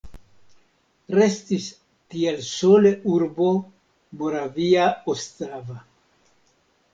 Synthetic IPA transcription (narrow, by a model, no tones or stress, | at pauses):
ɾe̞stis | tielso̞leuɾbo̞ | boɾaviaost̪ɾava